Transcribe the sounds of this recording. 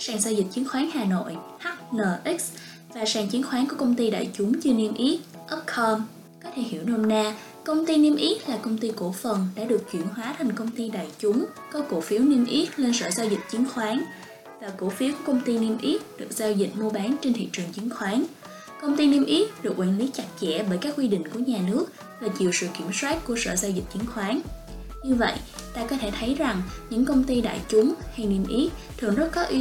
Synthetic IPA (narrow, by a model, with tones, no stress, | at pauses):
saː˨˩ŋzaː˧wzï˨˩t̟̚t͡ɕi˨˦nxwaː˨˦nhaː˨˩no̰˧˨jha˦˥t̚nəː˨˩ʔi˦˥k̚s | vaː˨˩saː˨˩ŋt͡ɕi˨˦ənxwaː˨˦ŋku˧˩əkə˧wŋ͡mt̪i˧ɗa̰ː˧˨jt͡ɕʊ˨˦ŋ͡mzɨ˧ni˧əmʔi˦˥ət̚ | ʔə˦˥kʰɔ˧m | kɔ˨˦t̪ʰe˧˩hḭ˧˩wno˧mnaː˧ | kə˧wŋ͡mt̪i˧ni˧əmʔi˦˥t̚laː˨˩kə˧wŋ͡mt̪i˧ku˧˩fə˨˩nɗa̰ː˧˥ɗɨ˨˩ək̚t͡ɕwḭ˧˩ənɦwaː˨˦t̪ʰa˨˩jŋ̟kə˧wŋ͡mt̪i˧ɗa̰ː˧˨jt͡ɕʊ˨˦ŋ͡m | kɔ˨˦kṵ˧˩fi˨˦əwni˧əmʔi˦˥t̚le˧nsəː˧˩zaː˧wzï˨˩k̟̚t͡ɕi˨˦ənxwaː˨˦n | t̪aː˧˩ko˧˩fi˨˦wkə˧wŋ͡mt̪i˧ni˧əmʔi˦˥t̚ɗɨ˨˩ək̚zaː˧wzḭ̈˧˨ŋ̟̚mu˧ɓaː˨˦nt͡ɕe˧nt̪ʰḭ˧˨t͡ɕɨ˨˩əŋt͡ɕi˨˦nxwaː˨˦n | kə˧wŋ͡mt̪i˧ni˧əmʔi˦˥t̚ɗɨ˨˩ək̚wi˧˩nli˨˦t͡ɕa˦˥t̚t͡ɕɛ̰˧˨ɓəː˧˩jkaː˦˥k̚wi˧ɗḭ̈˧˨ŋ̟ku˧˩əɲaː˨˩nɨ˦˥ək̚ | vaː˨˩t͡ɕi˨˩əwsɨ̰˧˨ki˧˩əmswaː˦˥t̚ku˧˩əsə̰ː˧˨˩zaː˧wzï̟˨˩t͡ɕi˨˦nxwaː˨˦n | ɲɨ˧və̰˧˨jʔt̪aː˧kɔ˨˦t̪ʰe˧˩t̪ʰə˨˦jza˨˩ŋɲɨ̰˧˥ŋkə˧wŋ͡mt̪i˧ɗa̰ː˧˨jt͡ɕʊ˨˦ŋ͡mha˧jni˧əmʔi˦˥t̚ | t̪ʰɨ˨˩əŋzə˦˥t̚kɔ˨˦ʔi˧